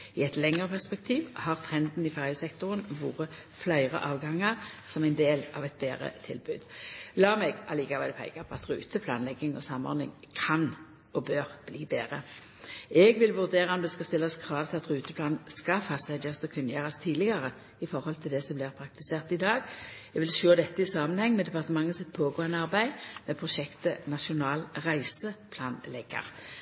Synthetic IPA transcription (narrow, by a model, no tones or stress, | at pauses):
ɪɛt̪lɛŋəʁəpʰæʁspɛkt̪ʰiːʋhɑʁt̪ʰʁɛnd̪n̩ɪfæʁjəsɛkt̪ʊʁənʋuːʁəflœʏʁə̰ʔɑːʋɡɑŋɑʁsɔmæɪnd̪eːlɑ̰ʋɛt̪̚beːʁə̰t̪ʰɪ̰lbʉːd̪̥lɑːmɛɡʔɑ̰liːkɑʋɛd̪ɛpʰɛ̰ɪkɑpʰɔɑt̪ʁʉ̰ːt̪əpʰlɑ̰ːnlɛɡːɪŋɔ̰sɑmɔ̰ɾnɪ̰ŋ | kʰɑn | ɔbøːʁb̥liːbeːʁə | ɛɡʋɪlʋʉʁd̪eːɾɑɔmd̪ɛskɑst̪ɪlːɑskʰʁɑːʋt̪ʰɪlɑt̪ʁʉːt̪əpʰlɑːnn̩skɑfɑsæd̪ɑst̪ɔkʰʉnːəjøːʁɑst̪ʰiːd̪lɪɡɑʁə | ɪfɔɾhɔlt̪ʰɪld̪ɛsɔblɪːʁpʰɾɑk̚t̪ɪseːʁt̪ɪd̪ɑːɡɛɡʋɪlʃøːd̪ɛt̪ːəɪsɑːmənhɛŋːmɛd̪ɛpɑʁt̪əmɑŋːəsɪt̪̚ːpʰoːɡoːənəɑʁbæɪmɛpʰʁʊʃɛkt̪ənɑʃʊnɑːlʁæɪsəpʰlɑːnlɛɡːɑ̰ʁ